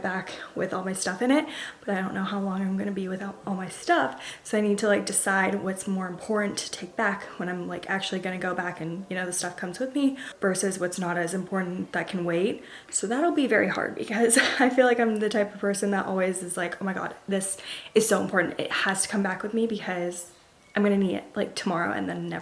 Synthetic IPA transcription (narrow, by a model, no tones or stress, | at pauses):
b̥ækwɪ̰ðɔlˠmaɪstʌfɨ̃ñɪt̚b̥ʌɾaɪdõʊ̃nːoʊɦaʊlɔ̃ŋãɪ̃mɡʌñɨbiwɨðaʊɾɔlˠmaɪstʌfsoʊaɪnid̚tʰəlaɪk̚d̥ɨsaɪd̚wʌtsmɔɹɨ̃mpʰɔɹʔn̩tʰɨ̥tʰeɪk̚b̥ækwə̃ɾ̃ãɪ̃mlaɪkæk̚t͡ʃʉl̩ˠiɡʌñɨɡoʊbækɨ̃njɨñoʊðɨstʌfkʰʌ̃mzwɨðmivɜ˞sɨzwʌtsnəɾɨzɨ̃mpʰɔɹʔn̩ðɨt̚kʰn̩weɪt̚ | soʊðəɾl̩ˠbivɛɹihɑ̰ɹd̚bɨ̰kʰʌzaɪfilaɪkãɪ̃mðɨtʰaɪpʌv̥pʰɜ˞sɨ̃nðəɾʔɔ̰lˠwizɨzlaɪkoʊmaɪɡɑ̰d̥ðɪsɨz̥soʊə̃mpʰɔɹʔn̩tɪ̰t̚hɨz̥tʰɨ̥kʰʌ̃mbækwɨðmibɨkʰʌz̥ | ãɪ̃mɡʌñɨniɾɪ̰t̚laɪk̚tʰəmɑɹoʊɨ̰̃nðɨ̃nːɛ̰